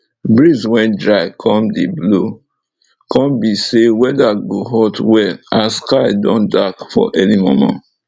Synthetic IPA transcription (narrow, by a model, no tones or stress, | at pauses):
bɹizwɛ̃ndɹaɪkʰɔ̃mdeblo | kʰɔ̃mbisewɛdaɡoɦɔtwɛaskaɪdɔ̰̃ndakfɔ̰ʔɛnimo̰mã̰nt